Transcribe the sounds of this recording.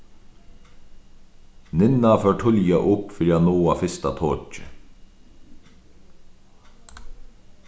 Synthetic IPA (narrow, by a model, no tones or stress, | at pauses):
nɪnɑføːʈʰʊljɑʔʊpfɾɑːnoːɑfɪst̪ɑt̪ʰoːt͡ʃə